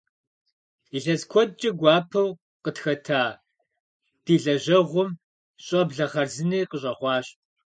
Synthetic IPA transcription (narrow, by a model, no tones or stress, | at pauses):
iɬɐzkʷʰɔdt͡ʃʼɐɡʷɑːpʰɐw | qətxɐtʰaː | d̥iːɮɐʑɐʁʷʊm | ɕʼɐbɮɐχɐrzɨniːqəɕʼɐχʷɑːɕtʼ